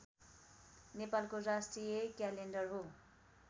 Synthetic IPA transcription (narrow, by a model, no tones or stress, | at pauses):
nepalkorasʈrijʌkjalenɖʌrɦo